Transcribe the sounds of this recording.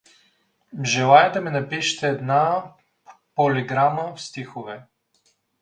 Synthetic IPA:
ʒɛlˠajɛd̪ɐmɛnɐpiʃə̥t̪ɛːd̪na | poliɡɾaməfst̪ixovɛ

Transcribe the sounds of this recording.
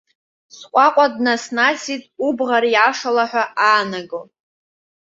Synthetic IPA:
sqʷʼaqʷʼadnasnasitʼubʁaɾjaʂalaħʷᶣaaːnaɡo

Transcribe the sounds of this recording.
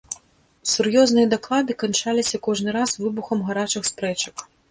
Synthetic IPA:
surjɔznɨjɐd̪aklˠad̪ɨkant͡ʂalʲisʲɐkɔʐnɨɾazvɨbuxɐmɣaɾat͡ʂɨxspɾɛt͡ʂɐk

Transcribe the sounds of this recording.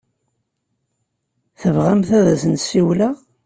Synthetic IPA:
θəvʁamθæðæzənsiwla

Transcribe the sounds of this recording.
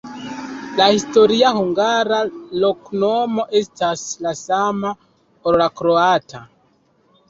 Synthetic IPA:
lahisto̞ɾiahuŋɡaɾalo̞kno̞mo̞ʔe̞staslasama | oɾlakɾoatʰa

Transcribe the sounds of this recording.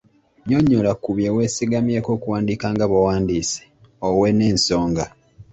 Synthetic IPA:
ɲoɲːolakuβjewe̞ːsiɡamjeːko̞ːkuwaːndiːkaːŋɡaβowaːndiːse̥ | owene̞ːnso̞ːŋɡa

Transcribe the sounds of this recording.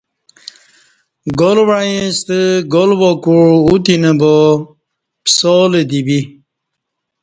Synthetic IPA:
ɡolwajẽst̪əɡolbɔkuɻut̪inəbo | psɔled̪ibi

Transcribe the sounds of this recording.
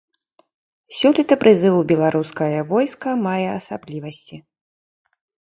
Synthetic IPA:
sʲɔlʲit̪ɐpɾʔɨzɨwubʲɛlˠaɾuskɐjɐvɔjskɐmajɛɐsablʲivɐsʲt͡sʲi

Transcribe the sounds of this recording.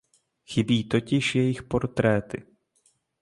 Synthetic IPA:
xɪbiːt̪o̞cɪʃjɛjɪxpoɾt̪ɾɛːt̪ɪ̰

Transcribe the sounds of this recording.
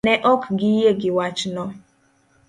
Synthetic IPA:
neʔɔkɡɪiɦeɡɪwat͡ʃnɔ

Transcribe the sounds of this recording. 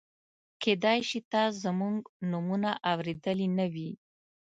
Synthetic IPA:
kʰed̪ɑjʃit̪ɑzəmuŋɡnumunaʔawɾed̪əlinawi

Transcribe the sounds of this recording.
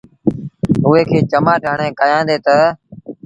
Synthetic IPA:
ɦʊːeːkʰeːt͡ʃəmaːʈəɳẽːkaːjãːnd̪eːt̪ə

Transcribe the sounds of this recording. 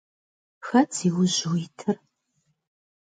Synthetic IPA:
xɐt͡sʰiwʊʑuwitʰɨr

